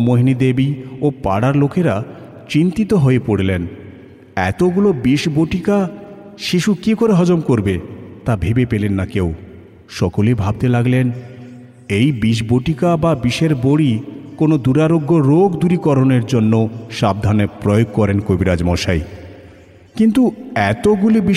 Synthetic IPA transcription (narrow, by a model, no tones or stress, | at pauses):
moɦinid̪ebiopa̰ɽaɾlokʰeɾa | t͡ɕint̪it̪oɦoepoɽelen | ɛ̰t̪oɡulobiʃboʈika | ʃiʃukikoɾeɦɔd͡ʑomkoɾbet̪abʱebepelenːakew | ʃɔkolebʱab̚t̪elaɡlen | ejbiʃ̬boʈikababiʃeɾboɽikonod̪uɾaɾoɡːoɾoɡd̪uɾikɔɾoneɾd͡ʑonːoʃab̚d̪ʱanepɾojoɡ̚kɔɾenkobiɾad͡ʑmɔʃaj | kint̪uɛt̪oɡulibi